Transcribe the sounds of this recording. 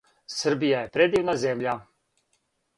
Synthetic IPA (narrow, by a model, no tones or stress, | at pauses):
səɾbijajɛpɾɛd̪iwnazɛːmlja